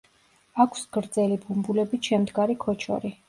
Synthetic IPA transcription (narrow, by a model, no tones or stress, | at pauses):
akʷʰsɡ̥ɾd̪zɛlibumbulɛbiʃɛmd̪ɡaɾikʰɔt͡ʃʰɔ̰ɾi